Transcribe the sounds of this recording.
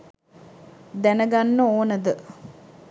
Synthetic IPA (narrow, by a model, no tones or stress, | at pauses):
d̪ænəɡanːəoːnəd̪ə